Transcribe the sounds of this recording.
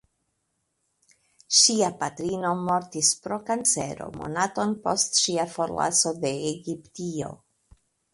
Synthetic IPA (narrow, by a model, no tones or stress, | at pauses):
ʃiapatɾino̞mo̞ɾtispɾo̞kant͡se̞̰ɾo̞̰mo̞̰nato̞npo̞stʃiafo̞ɾla̰so̞de̞eɡiptio̞̰